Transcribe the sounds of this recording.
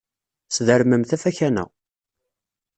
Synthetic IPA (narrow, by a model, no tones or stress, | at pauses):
sðəɾməmθæfæçænæ̰